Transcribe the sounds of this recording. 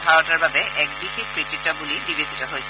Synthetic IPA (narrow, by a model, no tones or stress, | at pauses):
bʱaɹɔtaɹbabɛʔɛk̚bixexpɹititɔbulibibesitɔɦojsɛ